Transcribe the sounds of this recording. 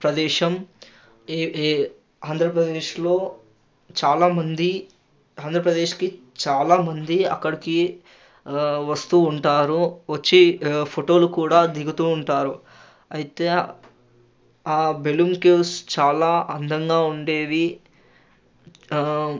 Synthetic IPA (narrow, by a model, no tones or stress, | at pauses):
pɾɐd̪ɛːʃɐmː | aːnd̪ʱɾɐpɾɐd̪eːʃlo̞ː | t͡ʃaːlaːmɐnd̪i | aːnd̪ʱɾɐpɾɐd̪e̞ːʃki | t͡ʃaːlaːmɐnd̪iɐ̰kːɐɽiki | ʋɐst̪uːɳʈaːɾuʋɐt͡ʃːipʰoʈo̞ːlukuːɽaːd̪iɡut̪uːɳʈaːɾu | ɐjit̪eː | aːbelumkeːst͡ʃaːlaːʔɐnd̪ʱɐŋɡaːuɳɖe̞ːʋi